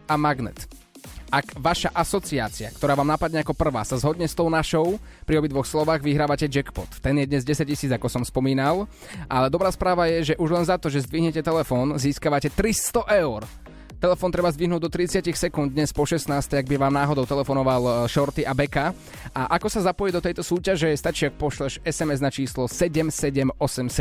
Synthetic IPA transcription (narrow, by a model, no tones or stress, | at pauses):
amaɡnɛ̰t̪ | ʔakʋaʃaʔasɔt͡sia̰ːt͡sia̰k̚t̪ɔɾaːʋaːmnapad̪ɲɛakɔpr̩ʋa̰ːsazɦɔd̪ɲɛst̪ɔʊnaʃɔʊpɾiɔbid̪ʋɔxslɔʋaːɣʋiɦɾaːʋacɛd͡ʒɛkpɔt̪ːɛnjɛd̪ɲɛzɟɛsac̚cːisiːd͡zakɔsɔmspɔmiːnal | ʔalɛd̪ɔbɾaːspɾaːʋajɛʒɛʔuʒlɛnzat̪ɔʒɛzd̪ʋiɦɲɛcɛt̪ɛlɛfɔːnziːskaʋacɛt̪ɾist̪ɔʔɛʊɾ | t̪ɛlɛfɔːnt̪ɾɛbazd̪ʋiɦnuːɟ̚d̪ɔt̪ɾit͡sɪacixsɛkund̪d̪ɲɛspɔʃɛsnaːst̪ɛaɡ̚biʋaːmnaːɦɔd̪ɔʊt̪ɛlɛfɔnɔʋalʃɔɾt̪iʔabɛka | ʔaʔakɔsazapɔjɛd̪ɔt̪ɛjt̪ɔsuːcaʒɛst̪at͡ʃiːak̚pɔʃlɛʃɛsɛmɛznat͡ʃiːslɔsɛɟɛmsɛɟɛmɔsɛmsɛ